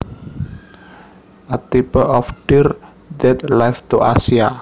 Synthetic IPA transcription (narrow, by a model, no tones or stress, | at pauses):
ʔət̪ipəʔɔfɖ̥ir | d̪ɛt̪̚lajft̪uʔa̰sia